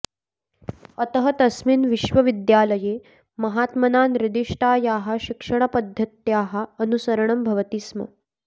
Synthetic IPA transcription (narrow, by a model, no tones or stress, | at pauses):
ɐt̪əɦɐt̪ɐsmiːnʋiʃʋɐʋid̪jaːlɐjeː | mɐɦaːt̪mɐnaːnɾid̪iʂʈʰaːjaːɦaɕikʂɐɳ̃ɐpɐd̪ʱːɐt̪jaːɦaːnusɐɾɐɳ̃ɐmbʱɐʋɐt̪ismɐ̰